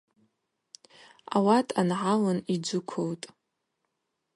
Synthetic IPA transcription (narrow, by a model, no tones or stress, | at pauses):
a̰watʼʰanʕalanid͡ʒʷʊkʷʰowtʼ